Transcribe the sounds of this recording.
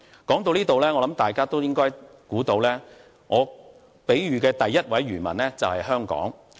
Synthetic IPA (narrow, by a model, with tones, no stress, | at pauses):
kɔː˨˥ŋt̪o˧wliː˥t̪o˨wlɛː˥ŋɔː˧lɐ˨˥mt̪aː˨jkaː˥t̪o˥wjɪ˥ŋkɔː˥j | kuː˨˥t̪o˧wlɛː˥ | ŋʔɔː˨˧ | pe˨˥jɥyː˨˧kɛː˧t̪ɐ˨jːɐ˥t̚wɐ˨˥jɥyː˨˩nmɐ˨˩nlɛː˥t͡sɐ˨whɐ˨jɦœː˥ŋkɔ̰ː˨˥ŋ